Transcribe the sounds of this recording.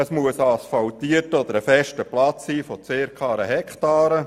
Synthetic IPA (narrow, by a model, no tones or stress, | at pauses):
əsmuəsɑsfɑlt̪iətəɔd̪əɾəfɛʃtəplɑt͡sːiːfɔt͡seːɾkʰɑːɾəɦɛkχtɑːɾə